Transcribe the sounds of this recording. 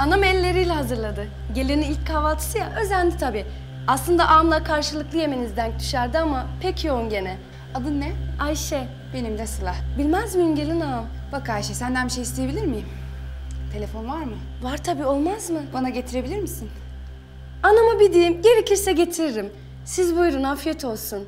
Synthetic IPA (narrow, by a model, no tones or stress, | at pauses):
anamɛlʲːe̞ɾijlʲɛɦazɯɾlˠad̪ɯ | ɟe̞lʲeniilʲc̚kʰavalˠt̪ʰɯ̥sɯjaʔø̞zænʲd̪it̪ʰabiː | aslˠɯnd̪aʔamlˠakʰaɾʃɯlˠɯklˠɯje̞me̞nizd̪ænt̪ʰy̥ʃæɾd̪iamapʰecʰjo̞unɟe̞nɛ | ad̪ɯnːɛajʃɛ | be̞nimd̪ɛsɯlˠahbilʲmæzmijimɟelʲinam | b̥akajʃɛsænd̪ænmiʃejist̪ʰeje̞bilʲiɾmim | t̪ʰe̞lʲefo̞nvaɾmɯ | vaɾt̪ʰabiːo̞lˠmazmɯbanaɟe̞t̪ʰiɾe̞bilʲiɾmisin | anamabid̪imjeɾicʲʰiɾsɛɟe̞t̪ʰiɾɾim | sizbujɾunafijɛt̪ʰo̞lˠsun